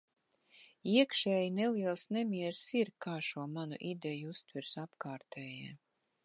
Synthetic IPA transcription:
iɛkʃɛːjineliɛlˠsnɛmʲiɛɾsiɾkaːʃuɔmanṵʔid̪ejuust̪vɨɾsapkaːɾt̪ʰɛːjɛː

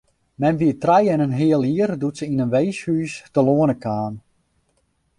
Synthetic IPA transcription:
mɛnʋiətrajɛnənɦɪəlˠiərdutsəinənʋejshyːstəloənəkaːn

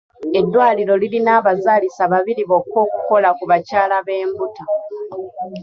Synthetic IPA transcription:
e̞dːwaːliɾo̞lilinaːβazaːlisaβaβiɾiβo̞ːkwo̞ːku̥ko̞lakuβacaːlaβe̞ːmbuta

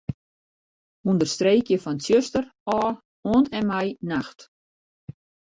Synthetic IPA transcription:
undərstreːkjəfɔnsjøstərɔː | oəntɛnmɛjnaxt

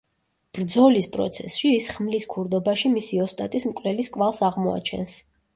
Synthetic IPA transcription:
b̥ɾd̪zɔlispʼɾɔ̰t̪sʰɛ̰sʃiːsχmliskʰuɾd̪ɔbaʃimisiɔst̪ʼat̪ʼismkʼlɛliskʼwalˠsaʁmɔa̰t͡ʃʰɛ̰ns

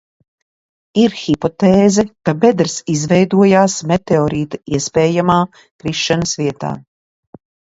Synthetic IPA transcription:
iɾxipɔt̪ɛːzɛkabɛd̪ɾsizvɛjd̪uɔjaːsmɛt̪eɔɾiːt̪aiɛspɛːjamaː | kɾiʃːanəsviɛt̪a̰ː

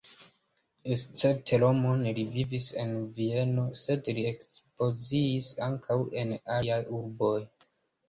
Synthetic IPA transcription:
est͡seɾtʰelo̞monlivivise̞nvie̞no̞se̞dliekspo̞ziːsaŋkʰawe̞naajuɾbo̞j

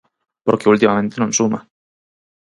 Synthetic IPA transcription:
poɾkeult̪imamẽnt̪enonsuma̰

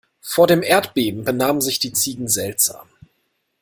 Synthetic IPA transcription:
foːɐɾeːmʔeːɐtb̥eːbm̩bənaːməm̩nzɪçd̥iːt͡siːɡŋ̩zɛltz̥a̰ːm

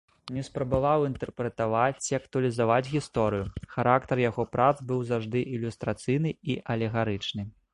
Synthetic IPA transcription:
nʲɛspɾɐbavawint̪ɛrpɾɛt̪avat͡sʲiɐkt̪uɐlʲizavad͡zʲɣʲist̪ɔɾɨjuxaɾakt̪ɐrjaɣɔpɾat̪zbɨwzawʐd̪ɨʔilʲust̪ɾat̪sɨjnɨiʔɐlʲɛɣaɾɨt͡ʂnɨ

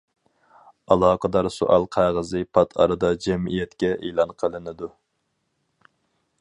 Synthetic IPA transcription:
ɑlˠɑːqʰəd̪ɑɾsṵʔɑlˠqʰɑjʁəzɨpʰɑt̪ʰɑ̰ɾɨd̪ɑd͡ʒɛmijɛt̪kʲɛʔelˠɑnqʰəlˠɨnɨd̪u

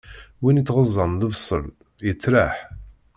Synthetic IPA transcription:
winit͡s̪ːʁəzˤːɑmðəvsˤːə̰l | jət͡sːɾaħ

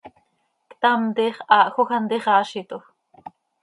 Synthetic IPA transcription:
kt̪amt̪iχɑːʔxoxant̪iχɑːʃit̪ox

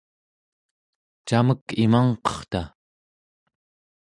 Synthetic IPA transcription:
t͡ʃaməkimaɴqʌ̥χt̪a

